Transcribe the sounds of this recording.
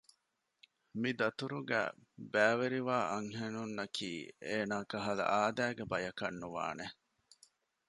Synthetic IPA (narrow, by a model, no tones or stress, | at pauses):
mid̪ɐt̪uɾuɡæ̰ːbæːʋeɾiʋaːʔɐŋɦenunːɐkʰḭːeːnaːkɐɦɐlɐ̰ʔaːd̪æːɡebɐjɐkɐnːuʋa̰ːne